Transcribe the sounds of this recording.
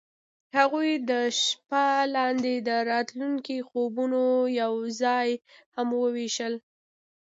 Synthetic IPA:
haɣujd̪əʃpalɑnd̪ed̪əɾɑt̪luŋkixobunojawzɑjhamwəweʃəl

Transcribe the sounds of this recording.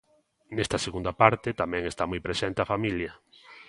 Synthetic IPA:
nest̪ɐseɣũnd̪apaɾt̪et̪amɛ̃ŋest̪amujpɾesent̪eafamiljɐ

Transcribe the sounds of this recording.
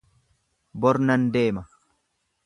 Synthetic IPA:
bɔɾnɐnd̪e̞ːmɐ

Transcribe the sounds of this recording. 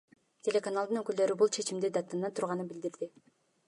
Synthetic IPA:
t̪ʲʰe̞lʲe̞kanalˠd̪ɯnøkyld̪ø̞ɾybulˠt͡ʃʰe̞t͡ʃimd̪ed̪at̪ːanat̪ʰuɾʁɑnɯnbild̪iɾd̪i

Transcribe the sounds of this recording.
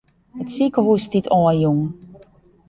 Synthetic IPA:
ətsikəhustitʰɔːəjuŋ

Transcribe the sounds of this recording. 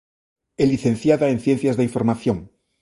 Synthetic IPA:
eliθẽn̟θjaðaen̟θje̞n̟θjazðeiɱfo̞ɾmaθjoŋ

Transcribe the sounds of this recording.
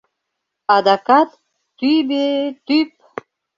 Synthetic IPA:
ad̪akat̪ː | ybet̪yp̚

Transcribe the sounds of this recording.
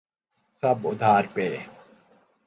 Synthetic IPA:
sɐbʊd̪ʱaːɾpeː

